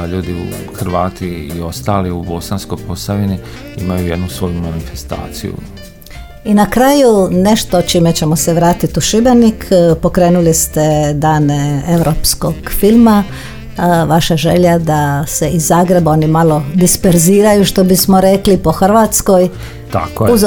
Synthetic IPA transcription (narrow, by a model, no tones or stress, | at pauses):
ʎuːd̪iṵxɾʋaːt̪iːo̞st̪aːliubo̞sansko̞jpo̞saʋini | ḭmajujed̪nusʋo̞jumanifest̪a̰ːt̪sijṵ | inakɾaːjune̞ʃt̪o̞t͡ʃimet͡ɕe̞moseʋɾaːt̪it̪uʃibe̞nikpo̞kɾeːnulist̪ed̪aːnee̞wɾopskoɡ̥filˠma | ʋaʃaʒeʎad̪ase̞izːaːɡɾebo̞ːnimalo̞d̪ispeɾziːɾajuʃt̪o̞bismoɾeklipo̞xr̩ʋaːt̪sko̞j | t̪akouz